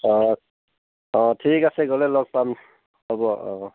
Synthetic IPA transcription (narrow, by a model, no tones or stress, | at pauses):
ɔ̃ | ɔ̃tʰikasɛɡɔlɛlɔɡ̚pam | hɔbɔɔ̃